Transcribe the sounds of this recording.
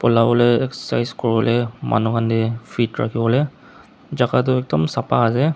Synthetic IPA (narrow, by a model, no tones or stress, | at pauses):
pɔlabɔlɛjɛkssajzkɔɹibɔlɛmʔa̰nukʰandifʰitɹa̰kʰibɔlɛ | zakat̬ʊɛk̚dɔmsapaːsɛ